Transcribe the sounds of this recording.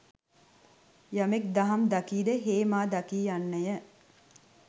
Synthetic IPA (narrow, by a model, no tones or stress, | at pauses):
jamek̚d̪aɦamd̪akiːd̪eɦeːmaːd̪akiːjanːəjə